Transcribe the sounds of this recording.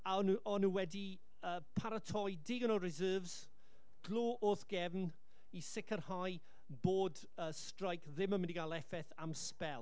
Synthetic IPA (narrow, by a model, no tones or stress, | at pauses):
anuʔɔnuwɛdi | əːpʰaɾətʰɔjdɪɡnɔrɪzəːvz̥ | ɡ̥loːʔoːθɡ̥ɛvn | isɪkʰərhaj | boːd | əːstrajkʰðɪməmɪ̃ndiɡalˠɛfɛθamspɛlˠ